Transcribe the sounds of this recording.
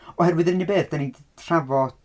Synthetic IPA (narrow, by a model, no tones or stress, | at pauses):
ɔhɛrwɪðənɪnibeːθd̥anintʰr̥avɔd